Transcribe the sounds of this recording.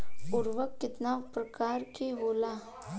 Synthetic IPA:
ʊɾʋəkːɪt̪naʋpɾəkaɾkiɦola

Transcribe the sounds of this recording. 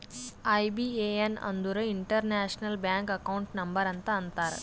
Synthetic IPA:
ɐjbieːɐnɐ̰nd̪uɾɐiɳʈɐɾnaːʂnɐlbjaːŋkɐkɐwuɳʈnɐmbɐɾɐnt̪ɐːnt̪aːɾ

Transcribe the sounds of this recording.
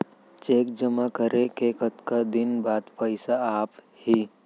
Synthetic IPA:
t͡ʃeːk̚d͡ʒəmakəɾʔekekət̪kad̪ɪnbaːd̪pəɪsaaːp | hi

